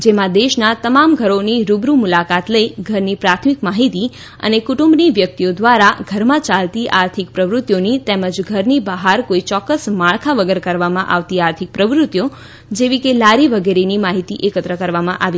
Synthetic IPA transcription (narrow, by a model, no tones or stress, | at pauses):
d͡ʒemãd̪eʃnat̪əmamɡʱəɾoniɾubɾumulakat̪ləiɡʱəɾnipɾat̪ʰmikmaɦit̪i | ə̰nekuʈumbniʋjək̚t̪iod̪ʋaɾaɡʱəɾmãt͡ʃalt̪iʔaɾt̪ʰik̚pɾəʋɾʊt̪jonit̪eməd͡ʒɡʱəɾnibəɦaɾkoit͡ʃɔkːəsmaɭkʰaʋəɡəɾkəɾʋamãʔa̰ʋt̪iaɾt̪ʰik̚pɾəʋɾʊt̪jo | d͡ʒeʋikelaɾiʋəɡeɾenimaɦit̪iʔekət̪ɾəkəɾʋamãʔaʋi